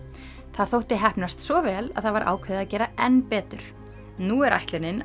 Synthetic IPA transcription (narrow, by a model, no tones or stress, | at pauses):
θaðθowht̪ɪɦɛhpnast̪svɔvɛːla̰ðθaðvaɾʔa̰ːwkʰvɛːðaðcɛːɾaɛnːpɛːt̪ʏɾ̥ | nuɛɾa̰jht̪lɪnɪn